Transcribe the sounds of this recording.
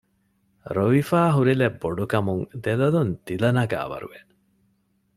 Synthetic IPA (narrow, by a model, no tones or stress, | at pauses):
ɾoʋifaːɦuɾilebːoɖukɐmuŋd̪elɐlund̪ilɐnɐɡa̰ːʋɐ̰ɾṵʋen